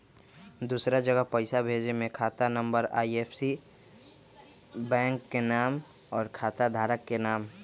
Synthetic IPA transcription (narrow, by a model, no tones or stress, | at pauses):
d̪usɾad͡ʒəɡəɦpəɪsabʱeːd͡ʒemẽkʰaːt̪anə̃mbəɾa̰ːiepʰsi | bɛ̃ːŋkːenaːm | ɔːɾkʰaːt̪ad̪ʱaːɾəkːenaːm